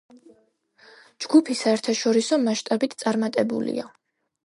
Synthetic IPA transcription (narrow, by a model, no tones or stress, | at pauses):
d͡ʒɡupʰisaɛɾt̪ʰaʃɔɾisɔmaʃt̪ʼabit̪ʰt̪sʼaɾmat̪ʼɛbṵlḭa